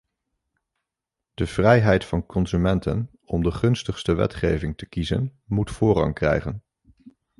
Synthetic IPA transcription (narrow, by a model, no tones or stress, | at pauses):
d̥əv̥rɛjɦɛjtfɑnkɔnzymɛntʰə̰n | ɔmdəχɵnstəχstəʋɛ̰tχejvɪŋtəkizə̰nmutfʊːrɑ̰ŋkrɛ̰jχən